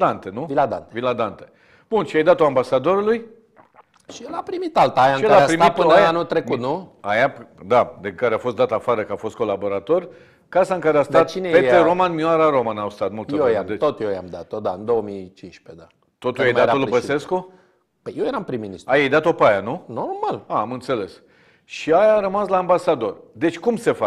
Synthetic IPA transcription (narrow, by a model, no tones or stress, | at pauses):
d̪ant̪enuvilad̪ant̪evilad̪ant̪e̥ | b̥unʃiajd̪at̪oambasad̪o̞ɾuluj | ʃijelapɾimit̪alt̪aajaɨʃieaaapɾimit̪ɨonanut̪ɾekut̪nuajad̪ad̪ekaɾeafo̞st̪̚d̪at̪afaɾəkəafo̞st̪̚ko̞labo̞ɾat̪o̞r | kasaɨŋkaɾeast̪at̪inepet̪eɾo̞manmioaɾaɾo̞manawst̪at̪mult̪soed̪et̪ot̪jojamd̪at̪od̪aɨnd̪o̞əmit͡ʃinʃped̪a | t̪o̞t̪ujej̪at̪olbəssesko | pəjewjeɾampɾiminist̪ajejd̪at̪o̞pajanunormalaamɨnt̪se̞le̞s | ʃiajaɾəmaslaːmbasad̪o̞rd̪e̞t͡ʃʲkumse̞fa